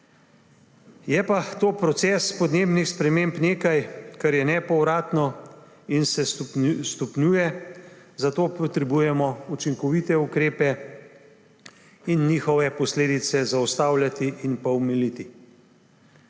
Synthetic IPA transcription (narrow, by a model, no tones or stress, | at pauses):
jɛpat̪oːpɾɔt̪sɛspɔd̪neːbnixspɾɛmempneːkajkaɾjɛnɛpɔwɾaːt̪nɔ | insɛst̪ɔpnjuːjɛ | zat̪oːpɔt̪ɾɛbuːjɛmɔut͡ʃiŋkɔʋit̪ɛukɾeːpɛ | inːixɔʋɛpɔsleːd̪it̪sɛzawst̪aːwlʲjat̪iʔinpawmɛlit̪i